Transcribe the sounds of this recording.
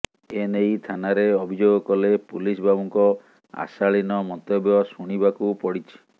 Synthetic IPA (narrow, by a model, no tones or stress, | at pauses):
enejt̪ʰanaɾeɔbʱid͡ʒoɡɔkɔlepulisbabɔŋkɔ | a̰saɭinɔmɔnt̪ebjɔsuɽ̃ibakupɔɽit͡ʃʰi̥